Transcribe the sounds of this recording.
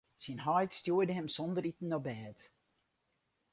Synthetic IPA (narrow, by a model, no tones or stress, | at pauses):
sinɦɔjtstjuədəɦɛmsɔndəɾitn̩ɔbɛːt